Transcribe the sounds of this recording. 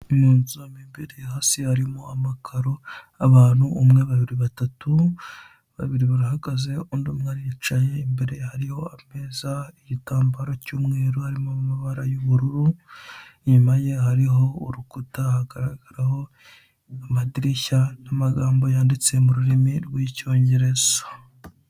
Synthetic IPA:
imuːnomimbiɾehasihaɾimoamakʰaɾo | aβaːn̥huumŋe̞βaβiɾiβatatu | βa̰βiɾiβaɾahaɡaze̞uːndumŋaɾiit͡ʃaje̞imbeɾe̞haɾiho̞ame̞ːzaiɟitaːmbaɾocuːmŋeːɾuhaɾimomumaβaɾajuβuɾuɾu | ɲumaje̞haɾiɦo̞uɾukutahaɡaɾaɡaɾaho̞ | amadiɾiçanamaɡaːmbo̞jaːndit͡se̞muɾuɾimiɾɡwiːco̞ːɲɟe̞ɾe̞z̥o

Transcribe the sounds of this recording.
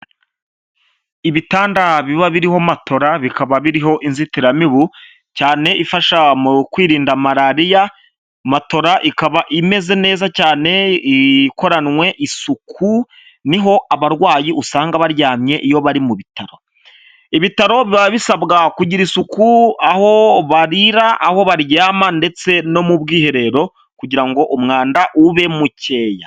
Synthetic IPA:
iβitaːndaβiβaβiɾiho̞mato̞ɾaβikaβaβiɾiɦo̞ʔinzitiɾamiβu | caːne̞ʔifaʃamukwiːɾiːndamaɾaɾija | mato̞ɾaʔikaβaʔime̞ze̞ne̞ːzacaːne̞iko̞ɾanwe̞ʔisukʰu | niɦo̞ʔaβaɾwaːjiʔusaːŋɡaβaɾjaːmɲe̞ʔijo̞βaɾimuβitaɾo̞ | iβitaɾo̞βiβaββisabɡakuɟiɾisukuaho̞βaɾiɾaʔaho̞βaɾjaːmande̞t͡se̞no̞mubɡiːhe̞ɾe̞ɾo̞ | kuɟiɾaŋɡo̞ʔumŋaːndaʔuβe̞muce̞ːja̰

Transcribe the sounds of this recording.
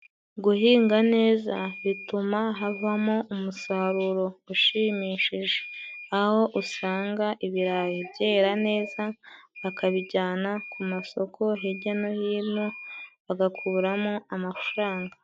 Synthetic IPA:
ɡuɦiːŋɡane̞ːzaβitumaɦavamoʔumusaɾuɾo̞uʃiːmiːʃiʒe̞aho̞ʔusaːŋɡaʔiβiɾajibje̞ːɾane̞ːzaβakʰaβiɟaːnakʰumaso̞kʰo̞ɦeɟeno̞hiːnoβaɡakʰuβuɾamoamafɾaːŋɡa

